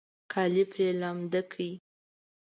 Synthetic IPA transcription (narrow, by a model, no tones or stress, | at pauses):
kʰɑlipɾelɑmd̪akʰəji